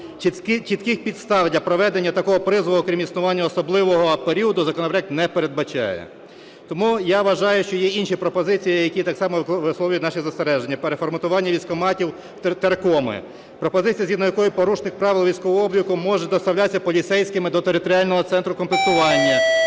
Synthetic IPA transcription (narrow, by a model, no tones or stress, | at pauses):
t͡ʃit̪kɪxpʲid̪st̪ɑwlʲɐpɾɔʋɛd̪enʲːɐt̪ɐkɔɦɔpɾɪzʋɔɔːkɾʲimisnʊʋɑnʲːɐːsɔblˠɪʋɔɦɔpeɾʲiɔd̪ʊzɐkɔnɔpɾɛk̪̚nɛpeɾe̞d̪̚bɐt͡ʃɑ̰jɛ̰ | t̪ɔmujaʋɐʒɑjʊʃt͡ʃɔjɛinʃipɾɔpɔzɪt͡sʲijijɐkʲit̪ɑksɑmɔʋɪsˠɔwʲʊjt̪ʲnɑʃizɐst̪eɾɛʒenʲːɐpeɾefɔrmɐt̪ʊʋɑnʲːɐʋʲisʲkɔmɑtʲiw | t̪eɾkɔmɪ̰ | pɾɔpɔzɪt͡sʲijɐzɦid̪nɔjɐkɔjʊpɔɾuʃnɪxpɾɑʋɪlˠʋʲijsʲkɔʋɔɔɔbʲjʲikʊmɔʒɛd̪ɔst̪ɐwlʲasʲːɐpɔlʲit̪sɛjsʲkɪmɪd̪ɔt̪eɾɪt̪ɔɾʲiɑlʲnɔɦɔt̪sɛnt̪ɾʊkɔmplɪk̚st̪ʊʋɑlʲnʲːɐ